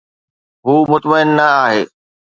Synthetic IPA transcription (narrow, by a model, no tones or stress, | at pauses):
ɦuːmʊt̪məɪnːɐaːɦeː